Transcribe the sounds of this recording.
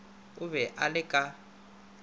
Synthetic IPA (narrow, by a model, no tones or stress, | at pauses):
ʊβɛʔalɪkʼa